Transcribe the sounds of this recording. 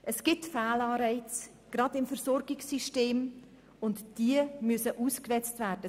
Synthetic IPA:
ʔəsɡ̥ɪtfæːlɑːɾɛɪt͡s | ɡ̥ɾɑdɪmfəɾsɔɾɡɪksyʃteːm | ʊntd̥iəmysəʔuːskvɛt͡stvæːrdə

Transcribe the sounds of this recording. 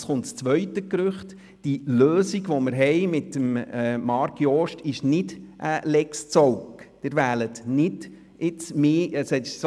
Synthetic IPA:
sχʊntst͡sʋœʏtəkɾʏχt | d̥iløːsiɡʋoməɾɦɛjmɪtːəmmɑɾkjɔʃtɪʃnɪdʔəlɛkst͡sɔwkd̥ɪɾʋæːlətnɪd | ɪt͡smeːəshɛts

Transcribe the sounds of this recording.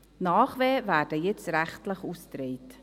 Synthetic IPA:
nɑːχveːvæːɾdəjɛt͡stɾæχtləχuːstɾeɪt

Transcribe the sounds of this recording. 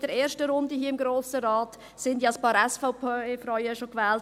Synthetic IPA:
d̥ɛɾeːɾʃtəɾʊndəɦiːəɪmɡɾoːsəɾɑːt | sɪndjiɑspɑːɾɛsfaʊpːfɾɔʏəʃokʋɛːlt

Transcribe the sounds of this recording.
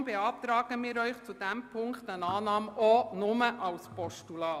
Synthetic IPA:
mbeɑːpt̪ɾɑːɡəmɪːɾœʏχt͡sud̥æmpʰʊŋkχtənɑːnɑːmɔnʊməʔɑlspɔʃtulɑː

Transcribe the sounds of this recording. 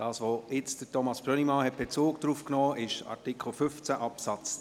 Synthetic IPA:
d̥ɑːsʋoɪt͡sd̥ətɔmɑsb̥ɾœnimɑnhɛt̚b̥et͡soːk̚d̥ɾuːfknɔːʔɪʃɑ̰ɾtikʰl̩fʏft͡sæʔɑpsɑt͡s

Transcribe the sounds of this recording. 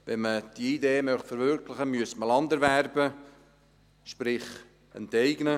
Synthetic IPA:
ʋɛnməd̥iid̪eːmœχtfɛɾvʏrkʰlɪχəmyəstməlɑnd̪əɾværbə | ʃpɾɪχ | ɛ̰ntɛɪɡ̥nə

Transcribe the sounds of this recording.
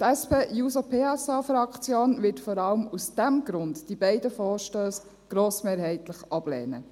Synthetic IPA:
tɛspeːjuːsopʰeːɛsɑfɾɑkt͡sjoːnʋɪtfɔɾɑləmusd̥æmɡɾʊndd̥ibɛɪdəfɔːɾʃtøːs | ɡ̥ɾoːsmeːɾɦɛɪtləχɑb̥lɛ̰ːnə̰

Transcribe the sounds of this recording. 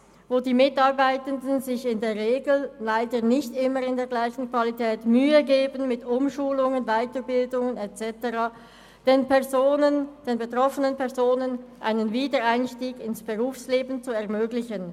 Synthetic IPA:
voːdiːmɪtɑʁbaɪtəndənzɪçɪndeːɐʁeːɡl̩laɪdənɪçtɪməʁɪndeːɐɡlaɪçn̩kv̥alitʰɛːtmyːəɡeːbənmɪtʊmʃuːlʊŋənvaɪtəbɪldʊŋənɛtt͡sɛtəʁaː | d̥eːnpɛzoːnənd̥eːnbetʁ̥ɔfənənpɛʁzoːnənʔa̰ɪnənviːdəaɪnʃtiːɡɪnsb̥əʁuːfsleːbn̩t͡suɛɐmøːɡlɪçən

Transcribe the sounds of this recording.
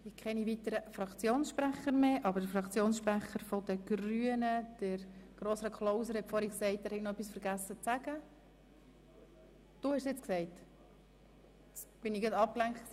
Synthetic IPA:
ɪkχɛnivit̪əɾəfɾɑkt͡sjoːnsʃpɾæχəɾmeʔɑbəɾd̥əfɾɑkt͡sjoːnsʃpɾæχəɾfɔd̥̪əɡ̥ɾyːənəd̥əɾɡ̥roːsɾɑkʰχlɔʊsəɾhɛtfɔɾhiksɛɪt̚dæɾhɛi̥ɡnoœpːisfəɾɡæsːət͡sæɡ̥ə | d̥uːhɛʃsɛt͡sksɛɪt | t͡sb̥ɪniɡətɑp̚klæŋktk

